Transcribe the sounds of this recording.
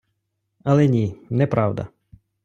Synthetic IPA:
ɐlˠɛnʲinɛpɾʔɑwd̪ɐ̰

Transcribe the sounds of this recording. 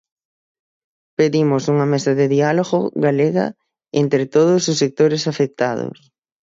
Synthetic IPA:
peðimʊsuŋɐmɛsɐðeðialoɣoɣaleɣɐ̰ | ent̪ɾɪt̪oð̞ʊsʊsek̚t̪oɾɪsafek̚t̪aðʊ̰s

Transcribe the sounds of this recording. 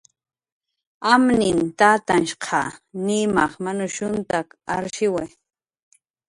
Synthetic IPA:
amnɪnt̪at̪anʃqʰɑ̰nɪmɑχmanʊʃʊnt̪akaɾʃɪwaj

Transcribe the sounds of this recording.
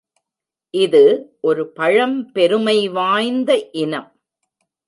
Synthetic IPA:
ʔɪðɯʔɔɾɯpɐɻɐmpɛɾɯmɐɪʋaːjnd̪ɐʔɪnɐm

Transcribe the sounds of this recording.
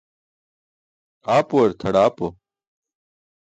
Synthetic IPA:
aːpoɐɾt̪ʰɐɽaːpo

